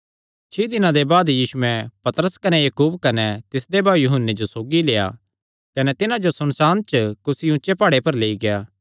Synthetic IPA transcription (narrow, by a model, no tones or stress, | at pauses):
t͡ʃʰiːd̪ɪnãd̪ebaːd̪jiːsʊɛ̃pɐt̪ɾəskɐnɛjɐkuːbkɐnɛt̪ɪsd̪ebaːjʊɦənːed͡ʒosoːɡileːja̰ | kɐnɛt̪ɪnãd͡ʒosʊnsaːnt͡ʃkʊsiʊ̃ʃepaːɽepɐɾleːiɡejaː